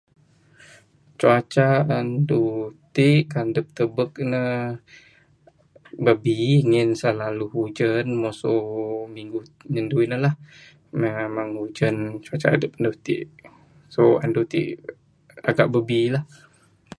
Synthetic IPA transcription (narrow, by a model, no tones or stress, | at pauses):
t͡ʃuat͡ʃaəndut̪iʔkandəp̚t̪əbək̚nə | bəbiŋɪnsəlaluɦud͡ʒənmosomiŋɡu | ɲənduinəlah | memaŋhud͡ʒənt͡ʃuat͡ʃa̰ʔa̰dəp̚əndut̪ḭʔ | soa̰ndut̪ḭʔ | a̰ɡaʔbəbilah